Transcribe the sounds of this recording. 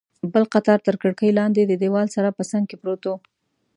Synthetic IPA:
bəlqat̪ɑɾt̪əɾkəɽkəjlɑnd̪ed̪əd̪ewɑlsaɾapəsaŋɡ̚kepɾot̪o

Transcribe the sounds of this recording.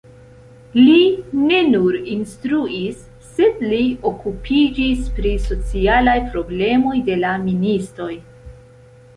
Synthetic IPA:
line̞nuɾinstɾuʔisː | e̞dlio̞kupʰid͡ʒispɾiso̞t͡sialajpɾo̞ble̞mo̞jde̞laministɾo̞j

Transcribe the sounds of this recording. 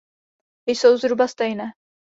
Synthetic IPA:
ɪjso̞wzɾubast̪ɛjnɛː

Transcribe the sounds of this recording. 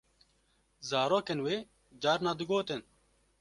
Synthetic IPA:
zaːɾoːkenweː | d͡ʒaːɾnaːd̪ɨɡoːt̪en

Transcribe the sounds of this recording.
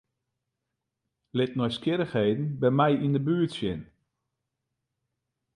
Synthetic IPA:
lɪtnɔjskɪɾəxheːdn̩bɛjmɛjindəbyːtsjɪn

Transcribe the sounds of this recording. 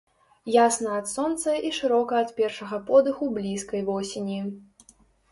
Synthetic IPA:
jasnɐɐt̪sɔnt̪sɐʔiʂɨɾɔkɐːt̪pʲɛrʂɐɣɐpɔd̪ɨxublʲiskɐjvɔsʲenʲi

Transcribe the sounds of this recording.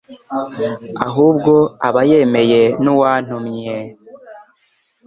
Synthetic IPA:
aɦuːbɡo̞aβaje̞me̞je̞nuwaːn̥umɲe

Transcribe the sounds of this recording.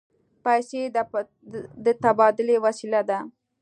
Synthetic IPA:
pajse | d̪ət̪abɑd̪ɪlewasilad̪a

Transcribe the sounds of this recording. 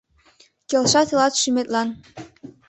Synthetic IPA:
kʲelʂɑt̪ɤlˠɑt̪ʃymʲet̪ʲlʲˠɑn

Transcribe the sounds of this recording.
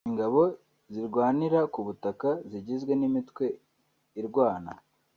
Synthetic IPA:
iŋɡaβo̞ | ziɾɡwaːniɾakuβutakaziɟizɡwe̞nimitkwe̞ | iɾɡwaːna̰

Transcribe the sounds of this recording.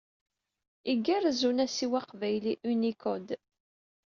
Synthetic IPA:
iɡːæɾzunæsiwaqvæjliʔynikʰɔd̪

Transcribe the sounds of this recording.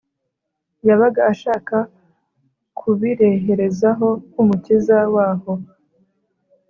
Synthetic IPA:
jaβaɡaːʃaːka | kʰuβiɾeɦe̞ɾe̞zaɦo̞umucizawaːho̞

